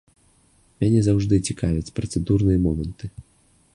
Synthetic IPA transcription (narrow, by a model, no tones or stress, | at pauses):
mʲanʲɛzawʐd̪ɨt͡sʲikavʲɛt͡sʲpɾɐt̪sɛd̪urnɨjɐmɔmɐnt̪ɨ